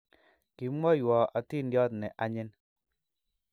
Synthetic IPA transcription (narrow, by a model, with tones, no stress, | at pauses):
ki˨˦mɔ˦jwɔ˨ʔa˨ti˦ndjɔ˦t̪nɛ˨ʔa˨ɲɪ˦n